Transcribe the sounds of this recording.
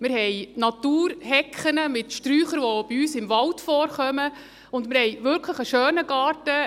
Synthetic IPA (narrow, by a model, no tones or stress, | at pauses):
mɪɾhɛjnɑt̪uːɾhɛkχənəmɪtʃtɾyːχəɾʋoob̥iyːsɪmʋɑltfɔːɾχœmə | ʊndmɪɾhɛjʋʏɾkʰləχəʃøːnəɡ̥ɑːrtə